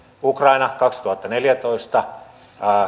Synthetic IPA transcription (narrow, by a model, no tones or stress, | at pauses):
ukrɑinɑkɑkst̪uhɑt̪ːɑneljæt̪oist̪ɑ